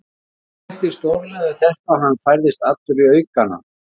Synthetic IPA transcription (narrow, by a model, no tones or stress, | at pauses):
ht̪ɪ̥st̪owɾlɛðʏθɛhpaɦanːfajɾðɪst̪at̪lʏɾiœɥkana̰